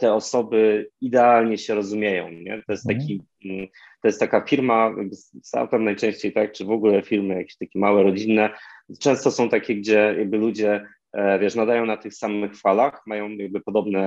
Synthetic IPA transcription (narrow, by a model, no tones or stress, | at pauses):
t̪ɛɔsɔbɘid̪ɛalɲɛɕɛɾɔzumʲjejɔ̰̃w̃ɲɛ̰t̪ɔjɛst̪akʲi | t̪ɔjɛst̪akafʲiɾmaja̰ɡ̚bɘssa̰pɛvnajt͡ʂɛ̃ɕt͡ɕejt̪ak̚t͡ʂɘvɔɡulɛfʲiɾmɘjakʲe̥ɕt̪akʲɛmawɛɾɔd͡ʑinːɛt͡ʂɛ̃w̃st̪ɔsɔ̃w̃t̪akʲɛɡd͡ʑɛja̰ɡ̚bɘlud͡ʑɛ | vʲjɛʂnad̪ajɔ̃w̃nat̪ɘxsamɘxfalaxmajɔ̃w̃jaɡ̚bɘpɔd̪ɔbnɛ